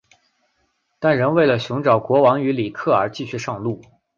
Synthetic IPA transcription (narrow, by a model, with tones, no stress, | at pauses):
t̪a˥˩nɻə˧˥nwe˥˩ɪlə˩ɕʊ˧˥ŋʈ͡ʂɑ˨˩ʊkwɔ˧˥wɑ˧˥ŋy˧˥li˨˩kʰɤ˥˩ə˞˧˥t͡ɕi˥˧ɕʰy˥˧ʂɑ˥˧ŋlu˥˩